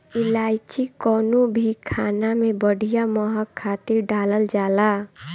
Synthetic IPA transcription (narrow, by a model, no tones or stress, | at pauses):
ilajt͡ʃikɔnobʱikʰanamebəɽ̤ʱijaməɦəkʰːat̪iɾɖaləld͡ʒala